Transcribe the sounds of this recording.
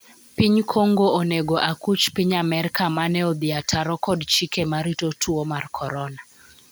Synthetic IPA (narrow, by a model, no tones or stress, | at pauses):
piɲkʰoŋɡooneɡoʔakut͡ʃpiɲamɛɾikamanɛɔd̪iatʰaɾɔkɔdt͡ʃikemaɾitotʰuomarkʰɔɾɔna